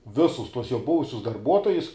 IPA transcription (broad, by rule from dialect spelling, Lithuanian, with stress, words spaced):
ˈʋʲɪsʊs ˈtuɔs ˈjoː ˈbʊʋʊsʲʊs dɐrˈbuɔtoːjʊs